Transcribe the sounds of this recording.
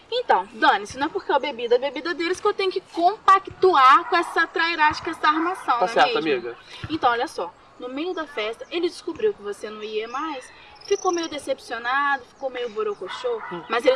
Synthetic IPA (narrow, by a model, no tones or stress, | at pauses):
ẽt̪ɐ̃w̃d̪ɐ̃nɪsnɐ̃ɛpoɾkewɐbebid̪ɐbebid̪ɐd̪elɪskɪewt̪ẽɲ̃ʊkɪkõpakt̪uaɾkõɛsɐt̪ɾajɾat͡ʃɪ̥kɐɛsɐaɾmasɐ̃w̃asɛɾiɐamiɡɐẽnt̪ɐ̃w̃ɔljɐsɔ | nʊmejʊd̪ɐfɛst̪ɐʔelɪd͡ʒɪskubɾiwkɪvosenɐ̃w̃iɐmajs | fikowmejʊd̪esepsionad̪ʊfi̥kowmejʊbuɾokoʃomɐzel